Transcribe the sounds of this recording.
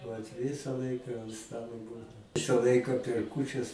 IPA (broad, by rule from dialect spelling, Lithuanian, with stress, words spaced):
ʋɐt ˈʋʲɪsɐ ˈlˠɐɪkɐ ɐnt ˈstɑːlˠoː ˈbuːdɐʊ ˈʋʲɪsɐ ˈlˠɐɪkɐ pʲɛr ˈkuːt͡ʃʲɛs